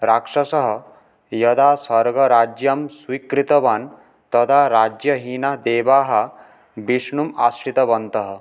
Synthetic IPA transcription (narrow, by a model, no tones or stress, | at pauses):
ɾakʂɐsɐɦɐ̆ | jɐd̪aːsɐɾɡɐɾaːd͡ʒjɐmswikɾit̪ɐban | t̪ɐd̪aɾaːd͡ʒjɐɦiːnaɦd̪eːbaːɦɐ̆ | biʂɳuma̰sʈit̪ɐbɐnt̪ɐɦɐ̆